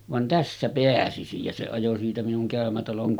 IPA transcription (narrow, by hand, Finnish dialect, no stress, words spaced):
ʋɑn tæsːæ peæsisij jɑ se ɑjo siːtæ minuŋ kæˑømætɑloŋ